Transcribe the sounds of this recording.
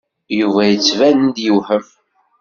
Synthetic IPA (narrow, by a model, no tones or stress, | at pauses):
juvæjət͡sːvænənd̪juwħəm